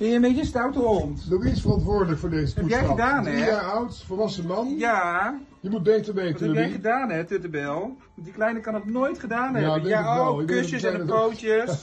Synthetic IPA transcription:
ɛəmejəstawtoɔntdokisfərɑntʋʊːɹdələkfʊːɹdejzəpɛupjɛjχədaːnɛaɔwtfɔɹʋɑsəmɑnja | jəmut̚bejtəɹʋejtəɛjɛχədaːnɛtøtəbɛlˠ | ʋɑndiklɛjnəkɑnoknoːjtχədaːnɦɛjadɛɛlˠɪɛsəsɛəowtjə

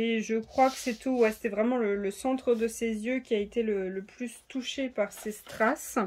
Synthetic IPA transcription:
eʒəkχwakə̥sɛt̪uwɛse̥t̪ɛvʁɛmɑ̃lələsɑ̃t̪χəd̪əsezjøkʲiaet̪elələplyst̪uʃepaʁsest̪χas

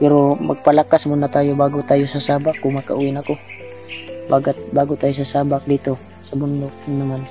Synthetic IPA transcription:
pɛɾomɐ̰ɡ̚palakasmʊnːat̪aːjobaːɡʊt̪aːjosasaːbakːʊŋmaka̰ʔuːɪnako | baːɡat̪̚baːɡʊt̪aːjos̬asaːbak̚d̪iːt̪o | sabʊnd̪ok̚naman

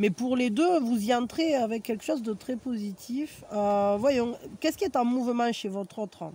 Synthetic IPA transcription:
mɛpuʁled̪øvuziɑ̃nt̪χeavɛkʲːɛlkə̥ʃɔzd̪ət̪χɛpozit̪ʰiføvwajɔ̃kɛskʲiɛt̪ɛ̃muvəmɑ̃ʃevɔt̪χɔt̪χə̰

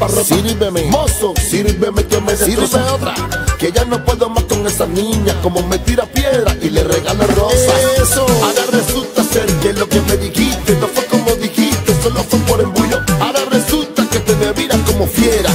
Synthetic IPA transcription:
parosiɾβememososiɾβemekemeseiɾoseot̪ɾa̰ke̞ʝano̞pwe̞ðoamasko̞ŋe̞sanĩɲako̞mo̞met̪iɾapje̞ðɾaʔilereɣalerosaesoaɾaresult̪aseɾkelo̞keme̞ðixist̪enofwekomo̞ðixist̪esolofwepo̞ɾembuʎoaɾare̞sult̪ake̞t̪eβeβiɾako̞mo̞fjeɾa

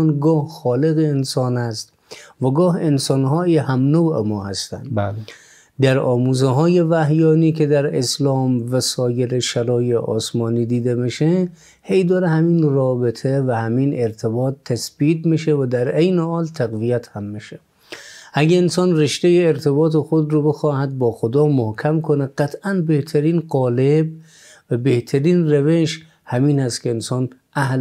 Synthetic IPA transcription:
nɡɒːhxɒːleɣeːnsɒːnæst̪ | væɡɒːɦensɒːnɦɒːihæmnowḛmɒːhæst̪æ̰nd̪ | d̪æɾɒːmuːzeɦɒːjevæɦjɒːniːkʰed̪æɾeslɒːmvæsɒːjeɾeʃælɒːjeʔɒ̰ːsmɒːniːd̪iːd̪emeʃe | hejd̪ɒːɾehæmiːnrɒːbet̪ʰevæhæmiːneɾt̪ʰebɒːt̪ʰːæsbiːt̪̚miʃevæd̪æɾejnehɒːlt̪ʰæɣvijæt̪hæmːiʃe | ʔæɡʲæensɒːnreʃt̪ejeːɾt̪ʰebɒːt̪ʰexod̪ɾobe̞xɒːhæd̪̚bɒːxod̪ɒːmohkʰæmkʰoneɡæt̪ʰʔænbeht̪ʰæɾiːnɢɒːleb | væbeht̪ʰæɾiːnræveʃ | hæmiːnhæst̪kʰʲeːnsɒːnʔæh

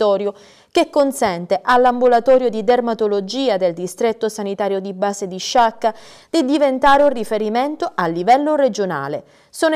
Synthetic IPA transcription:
ɔːɾjo | k̟ekːonsɛnt̪eʔalːambulat̪ɔːɾjod̪id̪ermat̪olod͡ʒiːad̪eld̪ist̪ɾet̪ːosanit̪aːɾjod̪ibaːzed̪iʃːakːa | d̪̥id̪ivent̪aːɾeunrifeɾiment̪oʔalːivɛlːored͡ʒona̰ːle | soːn

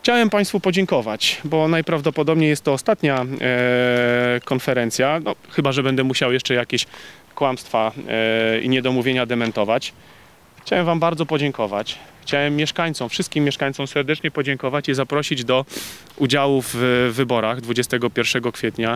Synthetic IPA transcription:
xt͡ɕawɛmpaj̃st̪fupɔd͡ʑɛŋkɔvat͡ɕbɔnajpɾavd̪ɔpɔd̪ɔbɲejɛst̪ːɔːst̪at̪ɲa | kɔnfɛɾɛnt̪sʲjanɔxɘbaʐɛbɛnd̪ɛmuɕawjɛʂt͡ʂɛjakʲeɕ | kwamst̪fa | ḭɲɛd̪ɔmuvʲjeɲad̪ɛmɛnt̪ɔvat͡ɕ | xt͡ɕawɛmvambaɾd̪zɔpɔd͡ʑɛŋkɔva̰t͡ɕxt͡ɕawɛmːjɛʂkaɲt̪sɔmfʂɘst̪kʲimʲːjɛʂkaɲt̪sɔmsɛɾd̪ɛt͡ʂɲɛpɔd͡ʑɛŋkɔvat͡ɕizapɾɔɕid͡ʑd̪ɔ | ud͡ʑawuvːɘbɔɾaɣd̪vud͡ʑɛst̪ɛɡɔpʲjɛɾfʂɛɡɔkfʲjɛt̪ɲa

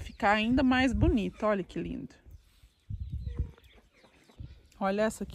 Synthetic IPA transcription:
fikaaĩnd̪ɐmajzbunit̪ʊɔʎɐkɪlḭ̃nd̪ʊ | ɔʎɐɛsɐk

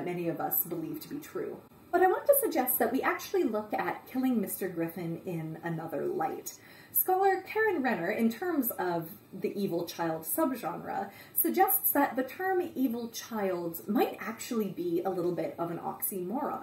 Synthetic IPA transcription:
t̚mɛniʌvʌsb̥əliv̥tʰəbitʰɹ̥ʉ̰ | b̥ʌɾaɪwɑ̃ntʰɨsɨɡ̚d͡ʒɛst̪̚ðɨʔ̚wiʔæk̚t͡ʃʉl̩ˠilʊkɨt̚kʰɪlˠɪ̃ŋmɪstə˞ɡɹɪfɨ̃nɪ̃nɨnʌðə̰˞la̰ɪt | skɑlˠə˞kʰɛɹɨ̃nɹɛnə˞ʔɪ̃ntʰɜ̃˞mzʌv | ðiʔivl̩ˠt͡ʃʰaɪlˠd̥sʌbʒɑ̃nɹə̰sɨɡ̚d͡ʒɛstsðɨt̪̚ðɨtʰɜ̃˞mivl̩ˠt͡ʃʰaɪlˠdz̥maɪɾæk̚t͡ʃul̩ˠibiəlɪɾl̩ˠbɪɾʌvɨ̃nɑ̰ksimɔɹl̩ˠ

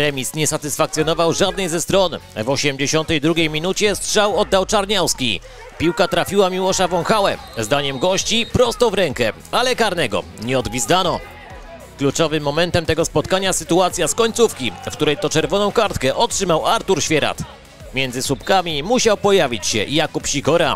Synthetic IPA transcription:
ɾɛmʲisɲɛsat̪ɘsfakt̪sʲjɔnɔvawʐad̪̚nɛjzɛst̪ɾɔnvɔɕɛmd͡ʑeɕɔnt̪ɛjd̪ɾuɡʲejmʲinut͡ɕɛst̪ʂawɔd̪ːawt͡ʂaɾɲawskʲi | pʲiwkat̪ɾafʲiwamʲiwɔʂavɔŋxawɛ | zd̪aɲɛmɡɔɕt͡ɕipɾɔst̪ɔvɾɛŋkɛ | alɛkaɾnɛɡɔ̰ɲɛɔd̪bʲizd̪anɔ | klut͡ʂɔvɘmːɔmɛnt̪ɛmt̪ɛɡɔspɔt̪̚kaɲasɘt̪uat̪sʲjaskɔɲt̪sufkʲifk̚t̪uɾɛjt̪ɔt͡ʂɛɾvɔnɔ̃w̃kaɾt̪kɛʔɔtʂɘmawaɾt̪uɾɕfʲjɛɾa̰t̪ | mʲjɛnd̪zɘsupkamʲimuɕawpɔjavʲit͡ɕɕɛ̰jakupɕiɡɔɾa̰

